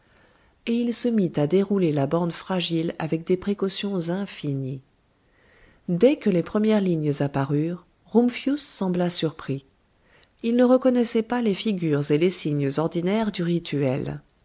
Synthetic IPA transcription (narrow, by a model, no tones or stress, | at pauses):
eilsəmit̪ad̪eʁulelabɑ̃d̪fχaʒila̰vɛk̚d̪epχekɔsjɔ̃zɛ̃fini | d̪ɛkəlepχəmjɛʁliɲəzapaʁyʁ | ʁumfjusːɑ̃blasyʁpχi | ilnəʁəkɔnɛsɛpalefiɡʲyʁzelesiɲəzɔʁd̪inɛʁd̪yʁit̪ʰyɛ̰l